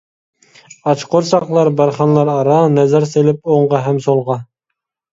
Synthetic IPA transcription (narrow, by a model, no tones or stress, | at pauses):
ɑt͡ʃqʰoɾsɑqlˠɑɾbɑɾχɑnlˠɑɾɑɾɑnɛzɛɾselɪp̚oɴʁɑɦɛmsolˠʁɑ